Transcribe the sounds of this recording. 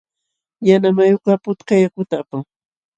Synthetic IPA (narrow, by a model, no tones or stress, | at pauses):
janamajokapʊt̪kajakʊt̪aːpaŋ